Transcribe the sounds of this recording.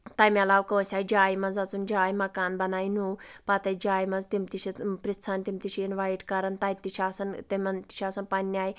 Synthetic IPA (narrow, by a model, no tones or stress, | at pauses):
t̪ɐːmiɐlaːʋkoːsʲaːid͡ʒaːjimɐnzɐt͡sund͡ʒaːjimɐkaːnbɐnaːinuːpat̪ɐjd͡ʒaːjmɐnzt̪imt̪iʃipɾit͡sʰant̪imt̪iʃʰiinʋaːjɖkɐɾɐnt̪aːit̪iʃaːsɐnt̪imɐnt̪i̥ʃaːsɐnpɐnːaːi